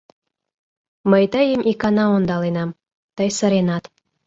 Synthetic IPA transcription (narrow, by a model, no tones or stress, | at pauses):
məjt̪əjemʲʔikɑnɑond̪ɑlenɑm | t̪əjsə̆ɾenɑt̪